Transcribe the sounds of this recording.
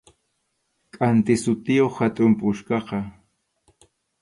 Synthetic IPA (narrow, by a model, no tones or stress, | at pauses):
kʼant̪ɪsʊt̪ɪjoχhat̪ʼʊmpʼʊʃkɑqɑ